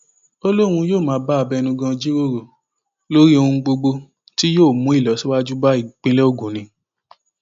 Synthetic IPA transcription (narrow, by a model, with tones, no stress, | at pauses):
o˦lo˦ɾ̃ũ˧joː˦˨mãː˨˦ba˦a˧bɛ˧nũ˧ɡã˧d͡ʒi˦ɾo˦ɾo˨ | lo˦ɾi˦o˧hũ˧ɡ͡bo˧ɡ͡bo˧ | ti˦joː˦˨mũ˨˦i˦˨lɔ˨˦si˦wa˦d͡ʒu˦ba˦i˦˨k͡pĩ˦lɛ˦o˦˨ɡũ˨˦nĩ˧